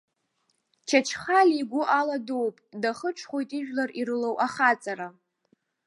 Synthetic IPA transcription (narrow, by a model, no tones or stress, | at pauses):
t͡ʃʰat͡ʃʰχalʲiɡʷʊʔaladuwpʼdaχəʈ͡ʂʰχo̞jtʼiʒᶣlariɾɨlowʔaχat͡sʼaɾa